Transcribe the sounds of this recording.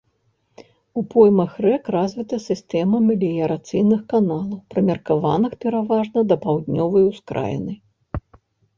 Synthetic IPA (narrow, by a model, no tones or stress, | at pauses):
upɔjmɐxrɛkrazvʲit̪ɐsʲɨst̪ɛmɐmʲilʲijɐɾat̪sɨjnɨxkanalˠɐwpɾɐmʲɐrkavanɨxpʲɛɾavaʐnɐd̪ɐpawd̪nʲɔvɐjwskɾa̰jɛ̰nɨj